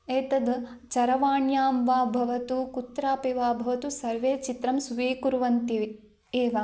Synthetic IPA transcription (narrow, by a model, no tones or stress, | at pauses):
eːt̪ɐd̪ | t͡ʃɐɾɐʋaːɳjaːmʋaːbʱɐʋɐt̪ukut̪ɾaːpeʋaːbʱɐʋɐt̪usɐɾʋeːt͡ʃit̪ɾɐmsuʋeːkuɾʋɐnt̪iʋi | eːʋa